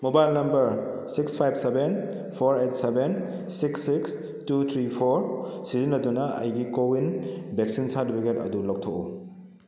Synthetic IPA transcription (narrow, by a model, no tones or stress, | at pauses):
mobajlnɐmbɐɾsikspʰajb̚seben | pʰoɾejt̚seben | siksːiks | tut̪ʰɾipʰoɾsizinːɐdunɐɐ̰jɡikowinbeksinsadbiketɐ̰dulɔk̚tʰokṵ